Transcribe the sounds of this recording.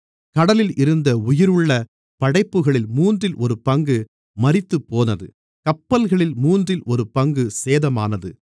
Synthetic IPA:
kɐɽɐlɪlɪɾɯnd̪ɐʊjɪɾɯɭːɐ | pɐɽɐɪpːɯɣɐɭɪlmuːndrɪlʔɔɾɯpɐŋɡɯ | mɐrɪt̪ːɯpːoːnɐðɯ | kɐpːɐlɣɐɭɪlmuːndrɪlɔɾɯpɐŋɡɯseːðɐma̰ːnɐðɯ

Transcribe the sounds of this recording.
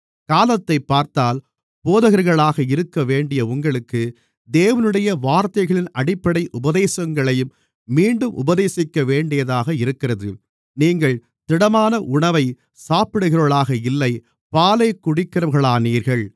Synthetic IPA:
kaːlɐt̪ːɐɪpːaːɾt̪aːl | poːðɐɣɐɾɣɐɭaːɣɐɪɾɯkːɐʋeːɳɖɪjɐʊŋɡɐɭɯkːɯ | d̪eːʋɐnɯɽɐjɐʋaːɾt̪ɐɪɣɐɭɪnɐɽɪpːɐɽɐɪʔʊbɐðeːsɐŋɡɐɭɐjɯmː | iːɳɖɯmʔʊ̰bɐðeːsɪkːɐʋeːɳɖɪjɐðaːɣɐɪɾɯkːɪrɐðɯ̰ | niːŋɡɐɭ | t̪ɪɽɐmaːnɐʔʊɳɐʋɐɪ | saːpɪɽɯɣɪɾoːɭaːɣɐɪlːɐɪ | paːlɐɪkːʊɽɪkːɐɾɐmɣɐɭaːniːɾɣɐɭ

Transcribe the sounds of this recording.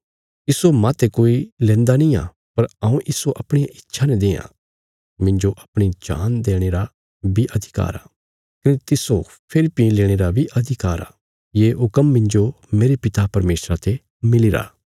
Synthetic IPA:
ɪsomãt̪ekoːilɛ̃ːnd̪anĩa̰ː | pɐɾɐũʔɪsoʔɐpɽ̃iaʔɪtːʃʰanɛd̪ẽːjã̰ | mɪ̃ɲd͡ʒoʔɐpɽ̃id͡ʒa̰ːnd̪eːɽ̃eːɾa | bʱiʔɐd̪ʱɪka̰ːɾa̰ː | kɐnet̪ɪso | pʰɪɾpĩleːɽ̃eːɾabʱiʔɐd̪ʱɪkaːɾa̰ː | jeːɦʊkəmːɪ̃ɲd͡ʒo | meːɾepɪt̪apɐɾmeːsɾat̪ʰe | mɪliɾa̰ː

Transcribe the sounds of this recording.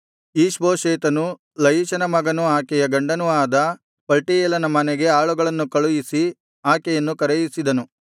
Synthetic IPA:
iːʂboːʃeːt̪ɐnu | lɐjiʃɐnɐmɐɡɐnuaːkɛjɐɡɐɳɖɐnuaːd̪ɐ | pɐlʈijɛlɐnɐmɐnɛɡe̞aːɭuɡɐɭɐnːukɐɭujisi | aːkɛjɐnːukɐɾɛjisid̪ɐnu

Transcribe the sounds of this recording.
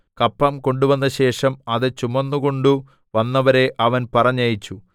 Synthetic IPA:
kɐpːɐmko̞ɳɖuʋɐnːɐɕe̞ːʂɐmɐðɨt͡ɕumːɐnːuko̞ɳɖu | ʋɐnːɐʋɐɾe̞ʔɐʋɐnpɐrɐɲːɐjit͡ɕːu

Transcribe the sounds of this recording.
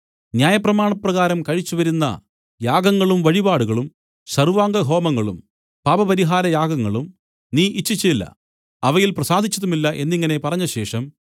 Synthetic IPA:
njaːjɐprɐmaːɳɐprɐɣaːɾɐmkɐɻit͡ɕːuʋɐɾunːɐ̰ | jaːɡɐŋːɐɭumʋɐɻibaːɽuɣɐɭum | ɕɐruʋaːŋɡɐɦo̞ːmɐŋːɐɭum | paːbɐpɐɾiɦaːɾɐjaːɡɐŋːɐɭum | niːʔit͡ɕːit͡ɕːɐilːɐ̰ | ɐʋɐjilprɐsaːd̪ʱit͡ɕːɐðumilːɐʔe̞nːiŋːɐne̞pɐrɐɲːɐɕe̞ːʂɐm

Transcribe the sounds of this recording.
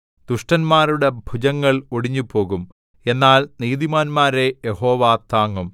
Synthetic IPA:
d̪̥uʂʈɐnmaːruɽe̞bʱud͡ʑɐŋːɐɭoɽiɲːupo̞ːɣum | e̞nːaːlniːðimaːnmaːɾe̞jeho̞ːʋaːt̪ːaːŋːum

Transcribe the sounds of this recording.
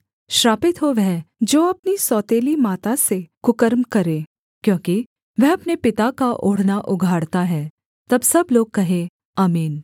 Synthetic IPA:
ʃɾaːpɪt̪ɦoʋɛɦd͡ʒoːɐpnisɔːt̪eːlimaːt̪asekʊkəɾmkɐɾẽː | kjõːki | ʋɛɦɐpnepɪt̪akaʔoːɽ̤naʔʊɡʱaːɽt̪aɦɛ̃ː | t̪ɐbsɐbloːɡ̚kɐɦẽ | aːmiːn

